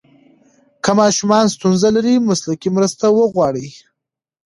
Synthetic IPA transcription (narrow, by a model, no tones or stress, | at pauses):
kəmɑʃumɑnst̪unzalaɾimʊslakimɾəst̪awəɣwɑɽi